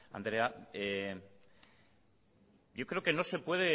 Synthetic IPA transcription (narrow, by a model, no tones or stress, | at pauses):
a̰nd̪ɾe̞ae | jo̞kɾe̞o̞ke̞no̞se̞pwe̞ðe